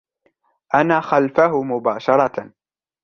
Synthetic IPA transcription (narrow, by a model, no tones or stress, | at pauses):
ʔanaːxalfaɦʊmʊbaːʃɑɾˤɑ